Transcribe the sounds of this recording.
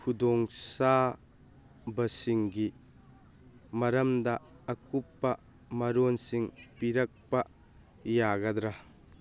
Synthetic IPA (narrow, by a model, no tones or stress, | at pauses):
kʰudɔŋsa | bɐsiŋɡi | mɐɾɐmdɐː | kupːɐ | mɐɾonsiŋpiɾɐk̚pɐ | jaɡɐd̪ɾɐ